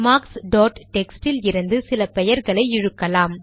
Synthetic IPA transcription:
maːksɖoːʈʈɛksʈɪlɪɾɯnd̪ɯsɪlɐpɛjɐɾɣɐɭɐɪɪɻɯkːɐlaːm

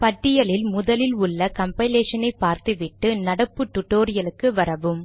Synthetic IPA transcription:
pɐʈːɪjɐlɪlmʊðɐlɪlʊɭːɐkɐmpɐɪleːʂɐnɐɪpːaːɾt̪ɯʋɪʈːɯnɐɽɐpːɯʈːʊʈːoːɾɪjɐlɯkːɯʋɐɾɐʋɯm

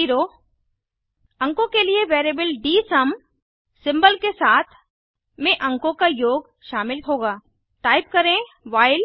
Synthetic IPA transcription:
iːɾoː | ɐ̃ŋkõkelieʋeːɾebəlɖiːsɐm | sɪ̃mbəlkesaːt̪ʰ | mẽʔɐ̃ŋkõkajoːɡ | ʃaːmɪlɦoːɡaː | ʈaːɪp̚kɐɾẽ | ʋaːɪl

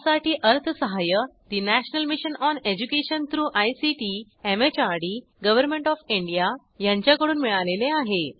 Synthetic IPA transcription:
saʈiːʔəɾt̪ʰəsəɦajət̪inæɕnəlmiɕənɔned͡ʑukeɕənt̪ɾuːʔajsiʈi | emet͡ɕaɾɽi | ɡəʋəɾmẽɳʈɔfiɳɖija | jãɲt͡ɕjakəɽuːnmiɭaleleaɦe

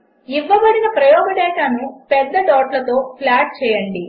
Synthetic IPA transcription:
iʋːɐʋɐɾinɐpɾɐjɔːɡɐɖɛːʈaːnupɛd̪ːɐʈɔːʈlɐt̪o̞ːpʰlaːʈ̚t͡ʃɛːjɐɳɖi

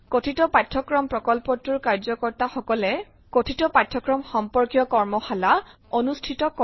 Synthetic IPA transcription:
kotʰitɔpatʰːɔkɹɔmpɹɔkɔlpɔtuɹkaɹzɔkɔɹtaxɔkɔlɛ | kotʰitɔpatʰːɔkɹɔmxɔmpɔɹkjɔkɔɹmɔxala | onustʰitɔkɔ

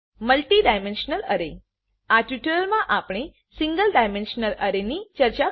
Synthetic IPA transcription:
məlʈiːɖajmenɕənələɾe | aʈjuʈəɾəlmãʔapɽ̃e | siŋɡəlɖajmenɕənələɾenit͡ɕəɾt͡ɕa

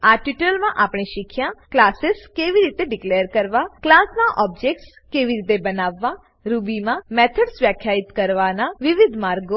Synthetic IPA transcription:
aʈiʈəlmãʔaːpɳ̃iʃɪkʰːjãklaːsɪskeːʋiɾiːt̪eɖɪkleːəɾkəɾʋaklaːsnaʔɔːbd͡ʒek̚ʈs | keːʋiɾiːt̪̬ebənaːʋːa | ɾubimãmɛːt̪ʰəɖsʋjaːkʰjaːɪt̪kəɾʋanaʋɪʋɪd̪ʱmaːɾɡo

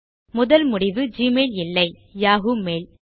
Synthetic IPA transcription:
mʊðɐlmʊɽɪʋɯd͡ʒiːmeːlɪlːɐɪ | jaːɣumeːl

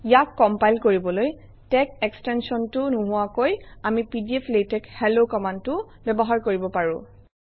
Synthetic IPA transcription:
ijatkɔmpajlkoɹibɔloj | tɛkekstɛnsɔntʊnʊɦʊwakojamipidiepʰletɛkhɛlokɔmantʊ | bɛbɔɦaɹkoɹibɔpaɹʊ̃

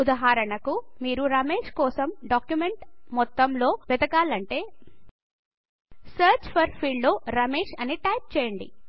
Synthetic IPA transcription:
ud̪ɐɦaːɾɐɳɐkumiːɾuɾɐmeːʂkɔːsɐmɖaːkjumeɳʈmɔt̪ːɐmlo̞ːʋɛd̪ɐkaːlɐɳʈe̞ː | sɐːɾt͡ʃpʰɐɾpʰiːɭlo̞ːɾɐmeːʂɐniʈɐjp̚t͡ʃɛːjɐɳɖḭ

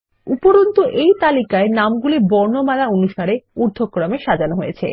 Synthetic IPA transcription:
upoɾont̪oʔejt̪alikaenamɡulibɔɾnomalaonuʃaɾeuɾd̪ʱokːɾameʃad͡ʑanoɦojḛt͡ɕʰḛ

